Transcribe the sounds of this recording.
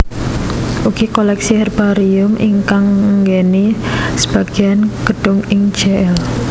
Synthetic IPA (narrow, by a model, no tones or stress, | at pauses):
ʔuɡikolɛksihɛrb̥aɾiʊmʔiŋkaŋɡenisə̥b̥aɡ̥ianɡ̥əɖ̥ʊŋɪŋ̥d͡ʒ̥ɛɛl